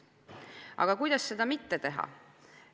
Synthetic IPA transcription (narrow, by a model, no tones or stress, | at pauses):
ɑ̰ɡ̥ɑkujd̪̥ɑsːe̞d̪̥ɑmit̪ːet̪e̞ɦɑ̰